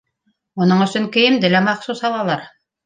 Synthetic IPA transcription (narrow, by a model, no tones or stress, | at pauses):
munɤɴɵ̆sɵŋkɘ̆jɘmd̪ɘlæmɑqsusɑlˠɑlˠɑɾ